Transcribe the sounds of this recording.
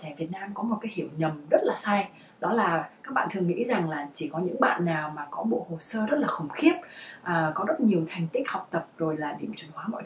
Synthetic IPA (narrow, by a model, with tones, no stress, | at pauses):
t͡ɕa˧˩vi˨˩ət̚naː˧mkɔ˨˦mo˨˩t̚kaː˨˦jhi˧˩əwɲə˨˩mzə˦˥t̚laː˨˩saː˧j | ɗɔ˨˦laː˨˩kaː˦˥k̚ɓa̰ː˧˨nt̪ʰɨ˨˩əŋḭ˧˥za˨˩ŋlaː˨˩t͡ɕi˧˩kɔ˨˦ɲɨ̰˧˥ŋɓa̰ː˧˨nːaː˨˩wmaː˨˩kɔ˨˦ɓo̰˧˨ho˨˩səː˧zə˦˥t̚laː˨˩xə˨˧˩wŋ͡mxi˦˥əp̚ʔəː˨˩kɔ˨˦zə˦˥t̚ɲi˨˩əwt̪ʰa˧˩jŋ̟t̪ï˦˥k̟̚ha˨˩wk͡p̚t̪ə˨˩p̚zo˨˩jlaː˨˩ɗḭ˧˩˨əmt͡ɕu˨˧˩nhwaː˨˦mɔ̰˧˨t̪